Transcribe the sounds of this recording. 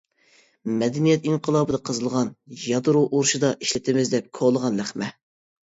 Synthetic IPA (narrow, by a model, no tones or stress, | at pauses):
mɛd̪ɪnijɛt̪iŋqʰəlˠɑːbɨd̪ɑqʰəzɨlˠʁɑnjɑt̪ɨɾuʔoɾʃɨd̪ɑʔiʃlɪt̪ʰɪmɪzd̪ɛp̚kʰoʁlˠəʁɑnlæχmɛ